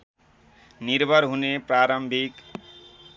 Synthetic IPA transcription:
niɾbʱʌɾɦunepɾaɾʌmbʱik

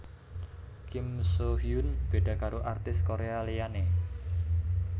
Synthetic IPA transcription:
kimsoɦiunb̥e̤ɖ̥ä̤kaɾoʔart̪ɪskoɾealeane

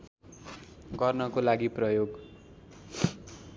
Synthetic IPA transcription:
ɡʌrnʌkolaɡiprʌjoɡ

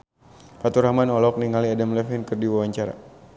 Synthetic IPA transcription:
pat̪uɾhamanɔlɔk̚niŋaliadamlɛfɛnkɨərdiwawaɲt͡ʃaɾa̰

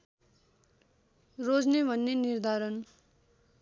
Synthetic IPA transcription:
rod͡znebʱʌnːenird̪ʱaɾʌn

